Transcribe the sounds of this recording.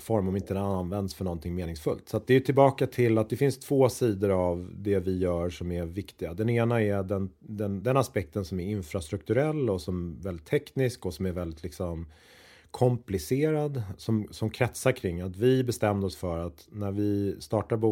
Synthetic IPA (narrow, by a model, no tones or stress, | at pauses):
fɔɾmɔmɪnt̪ənvɛnd̪sfœɳɔnt̪ʰɪŋːmeːnɪŋsfɵlt̪sɔat̪̚d̪ɛjɵt̪ʰɪlbɑːkat̪ʰɪlːat̪̚d̪ɛfɪnst̪ʰv̥oːsiːd̪əɾavd̪ɛvɪjœːɾʂɔmæɾvɪkt̪ɪɡad̪ɛneːnaɛɖɛnd̪ɛnd̪ɛnaspɛk̚t̪ənsɔmæɾɪnfɾast̪ɾɵk̚t̪ɵɾɛlːɔsɔmvɛld̪ɪt̪ʰːɛknɪskɔsɔmæɾvɛld̪ɪt̪lɪksɔm | kʰɔmplɪseːɾad̪sɔmsɔmkʰɾɛt̪saɾkʰɾɪŋːat̪vɪbɛst̪ɛmːd̪əɔsfœɾat̪næɾvɪst̪ɑːʈaɾbu